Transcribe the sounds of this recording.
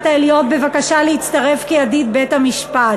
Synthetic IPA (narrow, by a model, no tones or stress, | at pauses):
t̪aelijot̪̚be̞vakaʃaleit͡st̪ɐʁe̞fkiadit̪̚bethamiʃpat